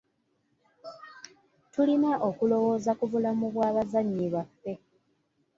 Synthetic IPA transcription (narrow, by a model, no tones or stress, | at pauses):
tulinaʔo̞kulo̞wo̞ːzakuvulamuβwaːβazaɲːiβafːe̞